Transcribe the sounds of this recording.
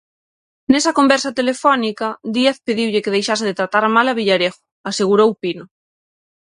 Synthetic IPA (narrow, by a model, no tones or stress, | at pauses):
nesakombɛɾsat̪elefɔnikad̪ieθpeðiwʎekeð̞ejʃaseðet̪ɾat̪aɾamalaβiʎaɾeɣo̥ | aseɣ̞uɾowpino